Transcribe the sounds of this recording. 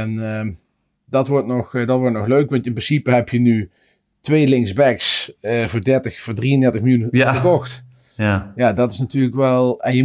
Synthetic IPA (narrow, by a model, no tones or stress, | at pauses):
ɛnə | dɑtʋɔɹtnɔxdɑtʋɔɹtnɔxløɥkʋɑntɪnprɪnsipəɦɛpʰjəny | tʋejlɪŋksbɛksəvʊːɹdɛɹtəxfʊːɹdriəndɛɹtəxməlˠjunəkɔxt | jaːdɑtɪ̥snatyːrləkʋɛlˠɛnjə